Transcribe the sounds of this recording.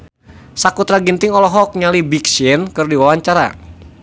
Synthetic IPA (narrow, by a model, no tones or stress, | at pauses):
sakut̪ɾaɡint̪ɪŋɔlɔɦɔk̚ɲalibiksɪnkərdiwawaɲt͡ʃaɾa̰